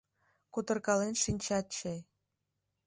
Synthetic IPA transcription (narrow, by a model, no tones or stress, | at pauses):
kut̪ə̆rkɑlenʃinʲt͡ɕɑt̪̚t͡ɕe